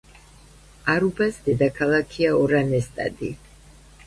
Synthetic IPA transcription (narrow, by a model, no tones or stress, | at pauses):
aɾubasd̪ɛd̪akʰalˠakʰiaɔɾanɛst̪ʼa̰d̪i